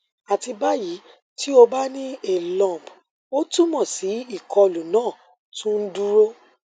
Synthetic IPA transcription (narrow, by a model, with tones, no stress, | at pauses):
a˨ti˧ba˦ji˨˦ | ti˦o˧ba˦nĩ˦e˦˨lã˨b | o˦tu˦mɔ̃˦˨si˨˦i˦˨kʰɔ˧lu˨nãː˦˨ | tũ˦n̩˦du˦ɾo˦